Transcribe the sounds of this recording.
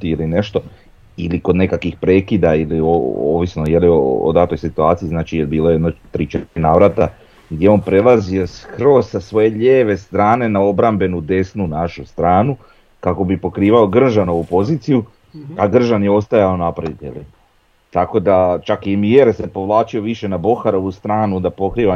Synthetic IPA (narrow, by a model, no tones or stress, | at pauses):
t̪iiline̞ʃt̪o̞ | iliko̞d̪ne̞kakʋixpɾe̞ːkid̪ailioo̰ːʋisnojelioo̰d̪at̪o̞jsit̪uaːt̪sijiznaːt͡ʃijeɾbiːlˠojeed̪not̪ɾit͡ʃenaːʋɾat̪a | ɡd̪jeo̞npɾe̞laziosxɾo̞ssasʋo̞je̞ʎeːʋe̞st̪ɾaːne̞nao̞bɾambe̞nud̪e̞snunaʃust̪ɾaːnu | kako̞bipo̞kɾiːʋao̞ɡr̩ʒano̞ʋupo̞ziːt̪siju | aɡr̩ʒanjeo̞st̪ajao̞napɾad̪it̪ḛʎ | t̪ako̞d̪at͡ʃakiemieɾsepo̞ʋlˠaːt͡ʃio̞ʋiʃe̞nabo̞xaɾo̞ʋust̪ɾaːnud̪apo̞kɾiːʋa